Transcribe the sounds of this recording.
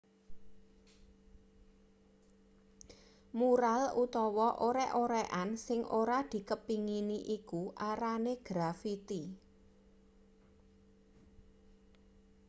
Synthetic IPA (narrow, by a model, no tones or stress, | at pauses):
muɾalut̪ɔwɔʔoɾɛʔoɾɛʔansɪŋʔoɾad̪̥i̤kəpiŋiniʔikuʔaɾaneɡ̥ɾafit̪i